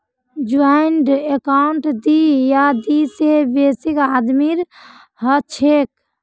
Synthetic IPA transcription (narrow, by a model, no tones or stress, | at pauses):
d͡ʒuaiɳɖekaʊɳʈd̪ijad̪isebesikad̪miɾ | hət͡ʃʰek̚